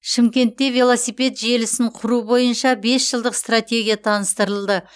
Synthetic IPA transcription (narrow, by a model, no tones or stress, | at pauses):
ʃɪmkʲe̞nt̪ːe̞vʲelˠo̞sijpe̞t̪ʒe̞lɪsɪɴqʰʊɾubo̞jənʃɑbe̞sʒəlˠd̪əqst̪rat̪ʲe̞ɡʲijat̪ʰɑnəst̪əɾəlˠd̪ə